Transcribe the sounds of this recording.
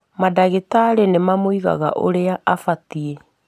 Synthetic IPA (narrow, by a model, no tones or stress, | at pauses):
madaɣetaɾenemamwiɣa̰ɣa̰ʔo̰ɾeaʔafatie